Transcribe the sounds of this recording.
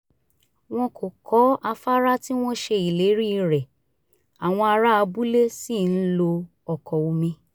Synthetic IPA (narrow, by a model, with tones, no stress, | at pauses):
w̃ɔ̃˧kʰo˨kɔ˨˦a˧fa˦ɾa˦ti˦w̃ɔ̃˦ʃe˧i˨le˨˦ɾi˦˧ɾɛ˨ | a˨w̃ɔ̃˧a˧ɾa˦a˧bu˦le˦si˦˨n̩˦lo˧ | ɔ˨kɔ˨o˧mĩ˧